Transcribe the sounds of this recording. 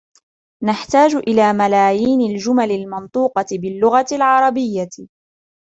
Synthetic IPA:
naħt̪aːd͡ʒʔɪlaːmalaːjiːnald͡ʒʊmalɪlmɑnt̪ˤuːqɑtɪbɪlːʊɣat̪ɪlʕɑɾˤɑbɪjːa

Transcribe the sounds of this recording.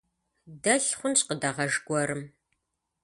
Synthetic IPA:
dɐɬχʷʊnɕʼqədɐʁɐʒɡʷɔɾɨm

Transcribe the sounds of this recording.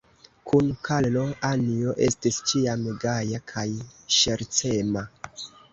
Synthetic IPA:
kʰunkʰallo̞anioʔe̞stist͡ʃiameɡajakʰajʃeɾt͡se̞ma

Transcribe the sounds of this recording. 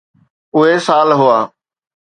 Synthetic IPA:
ʊɦesaːlɦʊaː

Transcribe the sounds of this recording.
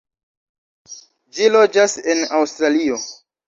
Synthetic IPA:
d͡ʒilo̞d͡ʒasenawstɾalio̞

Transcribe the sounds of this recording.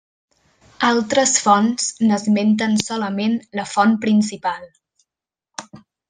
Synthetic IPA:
alˠt̪ɾəsfɔnsnəzment̪̬ənsɔləmenləfɔnpɾinsipalˠ

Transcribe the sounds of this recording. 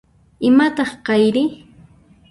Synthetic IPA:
ɪmat̪ɑχqɑjɾɪ

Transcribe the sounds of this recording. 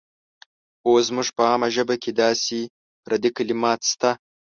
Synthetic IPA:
ozmʊʐpəɑːmaʒəbakʲed̪ɑsi | ɾʔad̪ikalimɑːt̪st̪a

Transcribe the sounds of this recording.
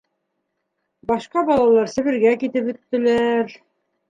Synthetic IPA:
bɑʃqɑbɑlˠɑlˠɑɾsɘ̆βɘ̆ɾɡækit̪ɘpɵ̆t̪ːɘ̆læɾ

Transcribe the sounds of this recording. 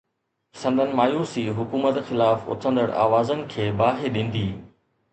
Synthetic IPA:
sɐ̃nd̪ʱənɪ̆maːjuːsiɦʊkuːmət̪xɪlaːfʊ̰t̪ʰə̃nd̪əɽa̰ːʋaːzənɪ̆kʰeːbaːɦeɗĩːn̆d̪iː

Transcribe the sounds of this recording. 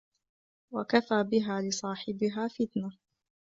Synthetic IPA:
wakafaːbɪɦaːlɪsˤɑːħɪbɪɦaːfɪt̪na

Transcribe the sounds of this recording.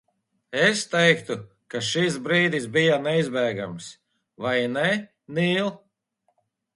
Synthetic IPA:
est̪ɛjkt̪u | kaʃis̬bɾiːd̪isbijanɛizbɛːɡa̰ms | vajnɛ | niːlˠ

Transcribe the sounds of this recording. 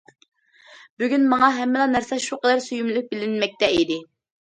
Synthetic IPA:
byɡʲynmɑŋɑɦɛmːɪlˠɑnæɾsɛʃuqəd̪æɾsyjumlyk̚ʲbɪlɪnmɛk̚ʲt̪ɛid̪ɪ

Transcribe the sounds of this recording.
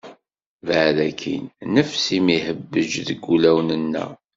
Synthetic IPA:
vəʕðækʰḭnnəfsimihəbːəʒðəɡːulæwnənːə̰

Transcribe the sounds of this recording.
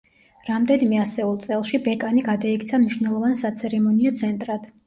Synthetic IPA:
ɾamd̪ɛnimɛasɛulˠt̪sʼɛlˠʃibɛkʼaniɡad̪aikʰt̪sʰamniʃvnɛlˠɔvansat̪sʰɛɾɛmɔniat̪sʰɛnt̪ʼɾad̪̥

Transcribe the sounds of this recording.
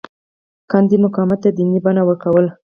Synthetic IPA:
kɑnd̪imʊkɑmat̪ːad̪inibanawəɾkawəl

